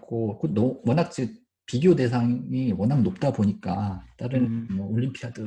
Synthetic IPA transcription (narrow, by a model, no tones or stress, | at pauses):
k͈okɯnowʌnak̚t͡ɕ͈i | piɡiode̞s̬ʰaŋiwʌnɦaŋnop̚t͈aboɲik͈at͈aɾɯnmwʌoʎːimpʰiadɯ